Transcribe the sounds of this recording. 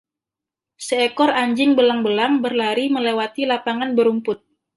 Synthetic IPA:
səekɔraɲd͡ʒɪŋbəlaŋbəlaŋbərlaɾiməlewat̪ilapaŋanbəɾumpʊt̪̚

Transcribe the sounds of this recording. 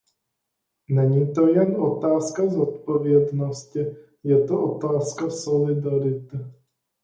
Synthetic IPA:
nɛɲiːt̪ojɛnʔo̞t̪aːskazot̪̚povjɛd̪noscɪ | jɛt̪oʔot̪aːskasolɪd̪aɾɪt̪ɛ

